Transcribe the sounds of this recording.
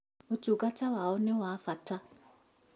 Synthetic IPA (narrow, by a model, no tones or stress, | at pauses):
otuɡatawaonewaːfata